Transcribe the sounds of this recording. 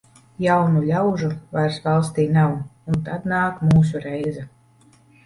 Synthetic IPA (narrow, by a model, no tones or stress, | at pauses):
jawnulʲawʒuvaɾsvɑlˠst̪iːnawunt̪ad̪naːkmuːsuɾɛjzɛ